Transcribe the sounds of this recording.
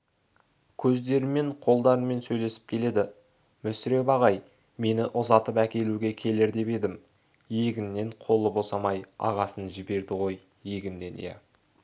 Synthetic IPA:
kʲʰɵzd̪e̞ɾɪme̞ɴqʰo̞lˠd̪ɑɾənme̞nsɵjle̞sɪ̥p̚kʲʰe̞le̞d̪ɪ | mʏsɪɾe̞bɑʁɑj | me̞nɪʔʊzɑt̪əpækʲe̞luɡʲe̞kʲʰe̞leɾd̪e̞pe̞d̪ɪm | je̞ɡʲɪnːe̞ɴqʰo̞lˠəbo̞sɑmɑjɑ̰ʁɑsənʒɪbe̞ɾd̪ɪʁo̞j | je̞ɡʲɪnd̪e̞̰njḛ

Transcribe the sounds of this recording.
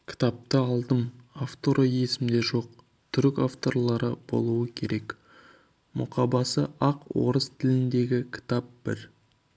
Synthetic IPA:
kʲʰɪ̥t̪ɑp̚t̪əɑlˠd̪əmaft̪o̞ɾʔoje̞sɪmd̪e̞ʒo̞q | t̪ʰʏɾkʲaft̪o̞rlˠɑɾəb̥o̞̰lˠuəkʲʰe̞ɾe̞k | mʔʊ̰qʰɑbɑsəʔɑqwo̞̰ɾəst̪ʰɪlɪnd̪e̞ɡʲɪkʲʰɪ̥t̪ap̚b̥ɪ̰ɾ

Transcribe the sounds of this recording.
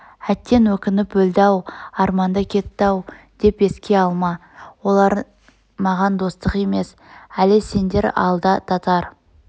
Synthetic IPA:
æt̪ːe̞nwɵkʲɪnɪpwɵld̪ɑwɑɾmɑnd̪əkʲʰe̞t̪ːɑw | d̪̥e̞pe̞skʲe̞ɑlˠmɑ | wo̞lˠɑɾ | mɑʁɑnd̪o̞st̪əqe̞me̞s | ælese̞nd̪e̞ɾɑ̰lˠd̪ɑt̪ʰɑt̪ɑɾ

